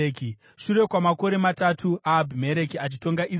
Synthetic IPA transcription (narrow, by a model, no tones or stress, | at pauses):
ki | ʂuɾe̞kwamako̞ɾe̞matatʰuʔaːbʱime̞ɾe̞kiat͡ʃito̞ŋɡaʔi